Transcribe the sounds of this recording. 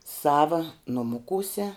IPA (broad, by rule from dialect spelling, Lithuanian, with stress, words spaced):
ˈsɑːʋɐ nʊˈmʊkuːsʲɛ